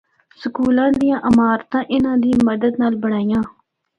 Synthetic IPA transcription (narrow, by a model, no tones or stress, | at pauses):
səkuːlãːd̪ijãːʔəmaːɾt̪ãːʔɪnãːd̪iːməd̪əd̪naːlbəɽ̃aːijãː